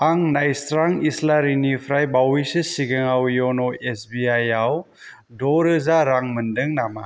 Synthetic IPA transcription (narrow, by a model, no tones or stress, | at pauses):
aŋnajstɾaŋislaɾinipʰɾajbawisɯsiɡeŋawjɔnɔesbiajaw | dɔɾɯzaɾaŋmɯndɯŋnama